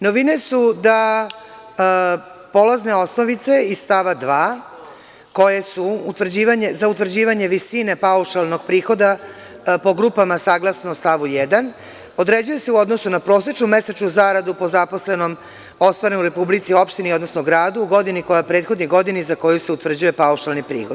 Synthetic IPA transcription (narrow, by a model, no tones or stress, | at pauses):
noʋine̞sud̪a | po̞lazne̞o̞sno̞ʋit̪se̞ist̪aʋad̪ʋaː | ko̞jesuːt̪ʋr̩d͡ʑiːʋaɲe̞zaut̪vr̩d͡ʑiːʋaɲe̞ʋisine̞pauʃalˠno̞ɡ̚pɾiːxo̞d̪a | po̞ɡɾuːpamasaːɡlasnoːst̪aʋujed̪an | od̪ɾe̞d͡ʑuje̞se̞uo̞d̪nosunapɾo̞ːs̬et͡ʃnume̞set͡ʃnuzaɾad̪upo̞zapo̞sle̞no̞m | o̞st̪ʋaɾenuɾe̞publit̪sio̞pʃt̪iniod̪nosnoɡɾaːd̪uːɡo̞d̪iniko̞japɾet̪xo̞d̪niɡo̞d̪inizako̞juseut̪ʋr̩d͡ʑuje̞pauʃalˠnipɾḭːxod̪